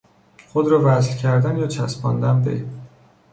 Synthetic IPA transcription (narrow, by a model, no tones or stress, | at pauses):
χod̪ɾɒːvæzlcʰæɾd̪ænjɒːt͡ʃʰæsbɒːnd̪ænbḛ